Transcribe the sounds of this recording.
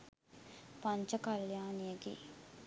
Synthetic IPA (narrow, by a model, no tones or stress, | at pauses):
pɐɲt͡ʃɐkɐljaːnijɐɡḭ